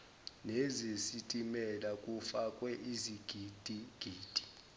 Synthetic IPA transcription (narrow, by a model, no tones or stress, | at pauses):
nezisitʼimɛlakʼufakʼwɛʔiziɡ̥ʱid̥ʱiɡ̥ʱiːd̥ʱi̥